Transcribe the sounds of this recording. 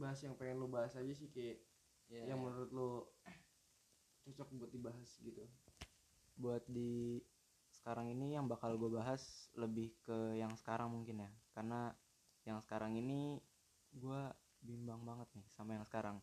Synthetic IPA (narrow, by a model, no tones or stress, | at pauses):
baɦasjaŋpeŋɛnlobaɦasad͡ʒasɪhkaʔ | jaŋmənuɾʊt̪̚lo | t͡ʃɔt͡ʃɔk̚buat̪̚dibaɦasɡit̪u | buat̪̚di | sə̥kaɾaŋinijaŋbakalɡuabaɦasləbɪhkəjaŋsə̥kaɾaŋmuŋkɪnjakarna | jaŋsə̥kaɾaŋini | ɡua | bimbaŋbaŋət̪̚nɪhsampajaŋsə̥kaɾaŋ